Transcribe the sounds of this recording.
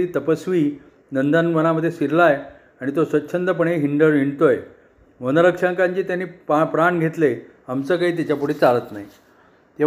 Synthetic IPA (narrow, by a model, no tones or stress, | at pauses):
it̪əpəsʋiː | nənd̪anʋənaməd̪ʱːjesiɾlaj | aɽ̃it̪osʋəːɕʰənt̪əp̬əɳ̃eɦiɳɖəɾiɳt̪oj | ʋənəɾəkʂaŋkãɲt͡ɕiːt̪janːiːppɾaɳɡʱet̪le | amt͡səːkaɦiːt̪̬it͡ɕjapuɽiːt͡salət̪naj | t̪e